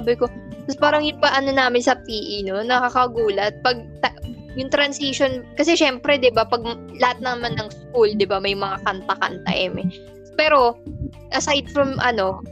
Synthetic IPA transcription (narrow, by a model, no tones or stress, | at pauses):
abɪko̞ɐspaːɾɐŋjʊŋbɐʔɐno̞naːmɪnsɐpiːʔino̞nɐkakɐɡuːlɐt̪̚pɐɡ̚t̪ɐ | jʊŋt̪ɾɐnsiʃonkɐsɛʃɛmpɾɛd̪ɪbapɐɡ̚ | lɐhat̪̚nɐmanːɐŋskuld̪ɪbamɐjmɐŋakɐnt̪ɐkɐ̰nt̪ɐ̰ʔɛ̰mɛ | pɛːɾo̞ | ʔɐsajd̪̚fɾɐmʔɐ̰no̞